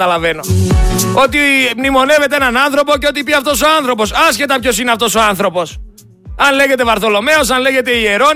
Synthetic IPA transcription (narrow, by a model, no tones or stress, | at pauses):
ɐlɐve̞no̞ | o̞t̪imnimo̞ne̞ve̞t̪eenɐnɐnθɾo̞po̞ceo̞t̪ipiɐft̪o̞so̞ɐnθɾo̞po̞sɐsçe̞t̪ɐpço̞sineɐft̪o̞so̞ɐnθɾo̞po̞s | ɐnle̞ʝe̞t̪e̞vɐɾθo̞lo̞me̞o̞s̬ɐnle̞ʝe̞t̪e̞ie̞ɾo̞